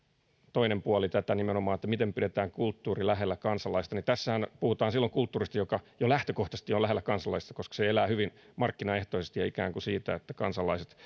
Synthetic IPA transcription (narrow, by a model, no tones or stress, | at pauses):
t̪oinempuɑlit̪æt̪ænimenomɑːet̪ːæmit̪empidet̪æːŋkult̪ːuːrilæɦelːækɑnsɑlːɑist̪ɑnit̪æsːæhænpuhut̪ɑːnsilːoŋkult̪ːuːrist̪ɑjokɑjolæht̪økoht̪ɑst̪iolæhelːækɑnsɑlːɑist̪ɑ̥koskɑ̥seelæːhyʋin | mɑrkːinɑeht̪oːsest̪ijɑikæːŋkusiːt̪æet̪ːækɑnsɑlːɑise̥t̪